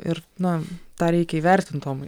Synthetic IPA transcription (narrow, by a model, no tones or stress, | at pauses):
ɪɾnʊt̪ɑːɾʲɛɪkʲɛiːʋʲɛɾʲt̪ʲɪnt̪oːm